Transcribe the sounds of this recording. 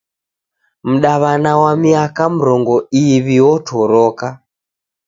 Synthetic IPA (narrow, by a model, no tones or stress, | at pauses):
m̩ɗaβanawamiakam̩ɾɔŋɡɔiβiɔtʰɔɾɔka